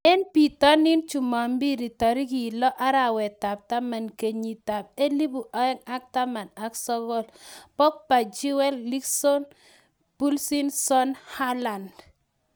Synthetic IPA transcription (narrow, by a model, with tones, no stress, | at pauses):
ɛ˦npi˨tɔ˦nɪ˦nt͡ʃu˨ma˨mbi˦ɾi˨tɔ˨ɾi˦ki˨lɔ˦ʔa˦ɾa˨wɛ˨ta˨p̚ta˦ma˨nke˨ɲi˨ta˨p̚e˦li˦bu˨ʔa˨˦ɛ˦ŋa˦k̚ta˦ma˨na˨ksɔ˦ɡɔ˦˨lpɔ˦k̚pa˨d͡ʒi˦wɛ˦lːli˦ksɔ˦n | b̥u˦lsi˦nsɔ˦nha˦la˨nd